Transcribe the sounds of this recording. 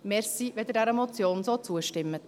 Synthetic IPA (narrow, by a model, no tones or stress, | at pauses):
mɛɾsiʋeld̪ɛdɛɾəmɔt͡sjoːnsoːt͡suːəʃtɪmːət